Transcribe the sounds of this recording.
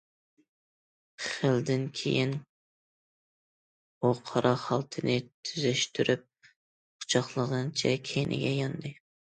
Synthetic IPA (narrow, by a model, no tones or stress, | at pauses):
χəld̪ɪnkʲʰḛjin | oqʰɑɾʔɑχɑlˠt̪ʰɨnɪt̪ʰyzɪʃt̪ʰyɾyp̚ | qʰʊ̥t͡ʃʰɑχlˠəʁɨnt͡ʃʰɛkʲʰenʔɪ̰ɡʲɛjɑnd̪ɨ